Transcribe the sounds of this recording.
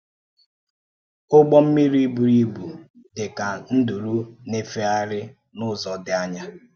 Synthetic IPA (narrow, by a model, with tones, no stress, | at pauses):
ʊ˦ɡ͡bɔ˦m̩˦mi˦ɾi˦bu˨ɾi˦bu˨ | dɪ˨ka˨n̩˦du˨ɾu˦ne˦fe˦a˦ɾɪ˦ | nʊ˦zɔ˨dɪ˨a˦ɲa˦